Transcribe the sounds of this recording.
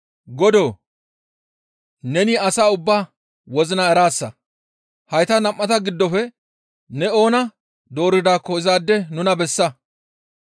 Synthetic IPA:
ɡɔd̪oː | nɛnɪɐsaːʊbːaː | wɔzɪnaɛɾaːsːɐ | hɐjt̪ɐnɐmʔːɐt̪ɐɡɪd̪ːɔfɛ | nɛo̞ːnɐ | d̪o̞ːɾɪd̪aːkːɔɪzaːd̪ːɛnʊnɐbɛsːɐ

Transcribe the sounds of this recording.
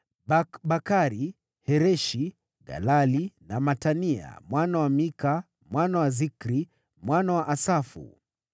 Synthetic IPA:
abakaɾi | hɛɾɛʃi | ɡa̰lalinamatania̰mwanawamika | mwanawazikɾi | mwanawaʔasafṵ

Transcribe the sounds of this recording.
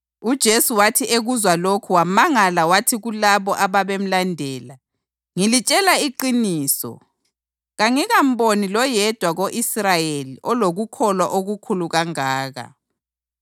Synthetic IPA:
ud̥ʒ̥ʱesuwatʰiʔeɣuzwalokʰuwamaŋalawatʰiɣulaβɔʔaβaβem̩landʱɛːla | ŋilit͡ʃʼɛlaiǃiniːsɔ̰ | ɣaŋiɣam̩bonilɔjɛd̥ʱwaɣoʔisrajeliʔɔloɣukʰɔlwaʔoɣukʰuluɣaŋaːɣa̰

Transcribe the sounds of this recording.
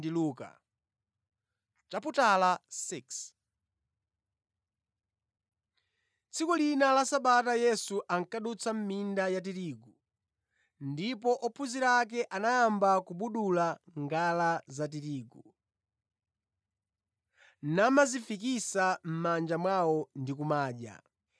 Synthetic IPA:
diluːka̰ | t͡ʃaputalasiks | t͡sʰikɔlinalasaɓatajɛsuʔaŋkaɗut͡sʰam̩mindajat̬iɾiːɡu | ndipɔʔɔpʰuziɾak̬ɛʔanaːmbakuɓuɗulaŋɡalazatiɾiːɡu | namazifikisam̩mand͡ʒamwawɔndikumaːʄa̰

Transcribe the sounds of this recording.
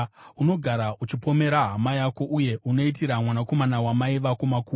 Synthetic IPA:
uno̞ɡʱaɾaʔut͡ʃipo̞me̞ɾaɦamajako̞ʔuje̞uno̞it̬iɾamwanako̞manawamaiʋakomakuː

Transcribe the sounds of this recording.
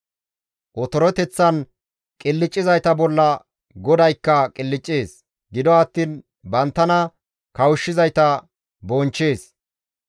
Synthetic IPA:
ʔɔt̪ɔɾɔt̪ɛt͡sːɐn | kʼɪlːɪt͡ʃʼːɪzɐjt̪ɐbɔlːɐ | ɡɔd̪ɐjkːɐkʼɪlːɪt͡ʃʼːeːs | ɡɪd̪ɔɐt̪ːiːn | bɐnt̪ːɐnɐ | kɐwʊʃːɪzɐjt̪ɐ | bɔnt͡ʃːe̞ːs

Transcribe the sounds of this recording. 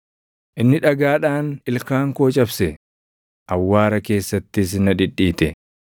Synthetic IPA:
ʔɪnːɪᶑɐɡaːᶑaːnɪlkaːŋkoːt͡ʃʼɐbsɛ | ʔɐwːaːɾɐke̞ːsːɐt̪ːɪs̬ɪnɐᶑɪᶑːiːt̪ɛ

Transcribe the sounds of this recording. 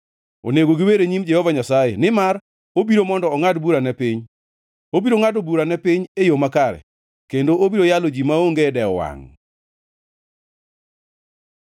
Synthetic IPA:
o̰neɡoɡɪweɾeɲimd͡ʒɛhɔvaɲasajḛnɪmar | obiɾomɔndɔːŋadbuɾanɛpɪɲ | obiɾoŋadobuɾanɛpɪɲejomakaɾɛ̰ | kendoobiɾojalod͡ʒimaoŋɡedɛɔwa̰ŋ

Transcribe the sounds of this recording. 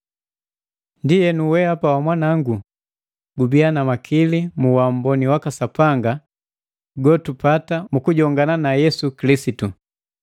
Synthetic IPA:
ndijɛnuwɛhapawamwanaŋɡu | ɡubianamakʰilimuwam̩bɔniwakasapaŋɡa | ɡɔtupatamukuɟɔŋɡananajɛsukilisitu

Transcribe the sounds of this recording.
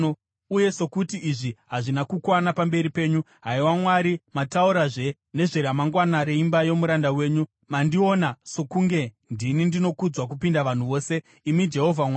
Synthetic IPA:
uje̞so̞kutiːʐiɦaʐinakukwanapambe̞ɾipe̞ːɲu | ɦaiwamwaɾimatauɾaʐe̞ | ne̞ʐeɾamaŋɡwanaɾeimbajo̞muɾandawe̞ːɲu | mandio̞nasokuŋɡe̞ | ndinindino̞kud͡zwak̬upindaʋan̤uʋo̞ːse̞ | imid͡ʒe̞ɦo̞vʱamwa

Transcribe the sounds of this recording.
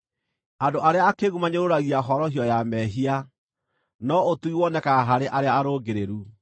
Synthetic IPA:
adoʔaɾeaːkeɣumaɲoɾoɾaɣiaɦɔɾɔhiɔjamɛɦia | nɔotuiwɔnɛkaɦaɾeʔaɾeaːɾoɡeɾeɾu

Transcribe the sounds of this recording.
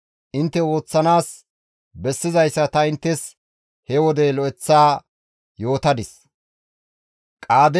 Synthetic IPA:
ʔɪnt̪ːɛwo̞ːt͡sːɐnaːs | bɛsːɪzɐjsːɐt̪ɐɪnt̪ːɛs | hɛwɔd̪ɛlɔʔɛt͡sːaː | jo̞ːt̪ɐd̪ɪs | kʼaːd̪ɛ

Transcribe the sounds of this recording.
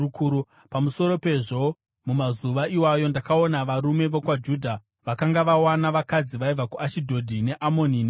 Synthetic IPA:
kuu | pamuso̞ɾo̞pe̞ʐo̞ | mumazuʋaiwajo̞ndakao̞naʋaɾume̞ʋokwad͡ʒuːdʱa | ʋakaŋɡaʋawanaʋakad͡ziʋaib͡vakuʔaʃidʱo̞dʱine̞ʔamo̞nin

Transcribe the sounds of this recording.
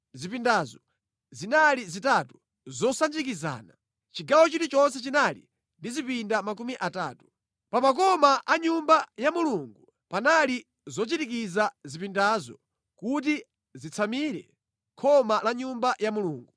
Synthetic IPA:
zipindazɔ | zinalizitatu | zɔsand͡ʒikiza̰ːna | t͡ʃiɡawɔt͡ʃitit͡ʃɔnsɛt͡ʃinalḭ | ndizipindamak̬umiʔata̰ːtu̥ | pamak̬ɔmaʔaɲumbajamuluŋɡu | panali | zɔt͡ʃitik̬izazipindazɔ̰ | kut̬i | zit͡sʰamiɾɛ̰ | kʰɔmalaɲumbajamuluːŋɡu

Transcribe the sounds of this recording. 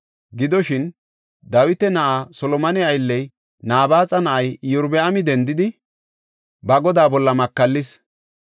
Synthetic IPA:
ɡɪd̪ɔʃɪn | d̪ɐwɪt̪ɛnɐʔasɔlɔmɐnɪɐjlːɛj | naːbaːt͡sʼɐnɐʔɐjjʊɾbɛamɪd̪ɛnd̪ɪd̪ɪ | bɐɡɔd̪aːbɔlːɐmɐkːɐlːɪs

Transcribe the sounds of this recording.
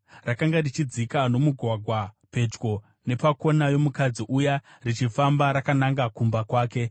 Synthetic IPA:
rakaŋɡarit͡ʃid͡zikano̞muɡʱwaɡʱwa | pe̞d͡ʒɡo̞ | ne̞pako̞najo̞mukad͡ziʔuja | rit͡ʃifambaɾakanaŋɡakumbakwaːke̞

